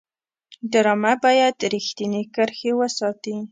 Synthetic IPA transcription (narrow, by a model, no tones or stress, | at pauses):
ɖaɾɑmabɑjad̪ɾixt̪inekəɾxewəsɑt̪i